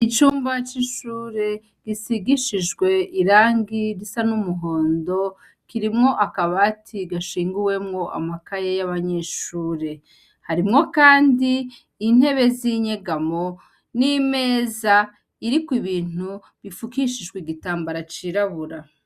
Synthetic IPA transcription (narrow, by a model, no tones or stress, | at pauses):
it͡ʃuːmbat͡ʃiʃuːɾe̞ | ɡ̥isiɡiʃiʒɡwe̞ʔiɾaːŋɡiɾisanumuɦo̞ːndo̞ | kiɾimŋo̞ʔakaβaːtʰiɡaʃiːŋɡuwe̞mŋo̞ʔa̰makajejaβaɲe̞ːʃuːɾe̞ | haɾimŋo̞kaːndiː | n̥he̞βe̞ziɲe̞ɡamo̞ | nime̞ːza | iɾikwiβiːnu | βifukiʃiʒɡwiɡitaːmbaɾat͡ʃiɾaβuɾa